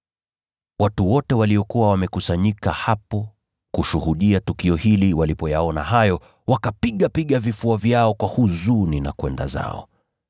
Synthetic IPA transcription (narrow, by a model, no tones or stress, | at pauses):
watuwɔtɛwaliɔkuwawamɛkusaɲikahapɔ | kuʃuhuɗiatukiɔhiliwalipɔjaɔnaɦajɔ | wakapiɠapiɠavifuavjaɔkwahuzunina̰kwɛnda̰za̰ɔ̰